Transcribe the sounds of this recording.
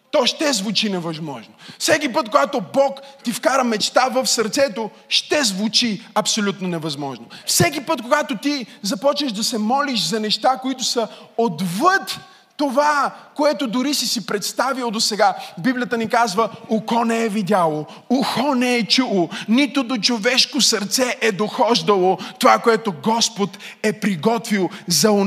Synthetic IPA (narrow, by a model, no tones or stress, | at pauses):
t̪ɔʃt̪ɛzvut͡ʃinɛvɐzmɔ̰ʒnofsɛk̬ipɤt̪̚koɡat̪obɔkt̪ifkaɾəmɛt͡ʃt̪avəfsɐɾt̪sɛt̪o | ʃt̪ɛzvʊt͡ʃiɐpsolʲut̪nonɛvɐzmɔʒnofsɛk̬ipət̪koɡat̪ot̪izɐpɔt͡ʃnəʃd̪ɐsɛmɔliʃzɐnɛʃt̪akoit̪ʊsɐod̪vət̪ː | ovakoɛt̪od̪ʊɾisisipɾɛt̪st̪avilˠd̪osɛɡabiblijət̪ənikazvəʊkɔnɛɛvid̪ʲjalˠo | ʊxɔnɛɛt͡ʃulˠonit̪ʊd̪ot͡ʃovɛʃkosɐɾt̪sɛʔɛd̪oxɔʒd̪ɐlˠot̪ovakoɛt̪oɡɔspot̪ɛpɾiɡɔt̪vilˠzɐ